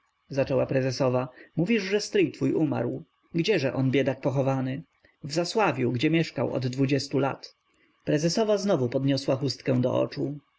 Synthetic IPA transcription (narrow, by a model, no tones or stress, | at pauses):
zat͡ʂɛwapɾɛzɛsɔvamuvʲiʐʐɛst̪ɾɘjt̪fujʔuma̰ɾw | ɡd͡ʑɛʐɛʔɔnbʲjɛd̪ak̚pɔxɔvanɘ | vzaswavʲjuwɡd͡ʑɛmʲjɛʂkawɔ̰d̪ːvud͡ʑɛst̪ula̰t̪ | pɾɛzɛsɔvaznɔvupɔd̪ɲɔswaxust̪kɛ̃w̃d̪ɔ̰ʔɔ̰t͡ʂu